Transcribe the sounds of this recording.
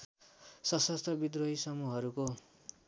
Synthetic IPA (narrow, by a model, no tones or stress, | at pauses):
sʌsʌst̪ʌbid̪roɦisʌmuɦʌɾuko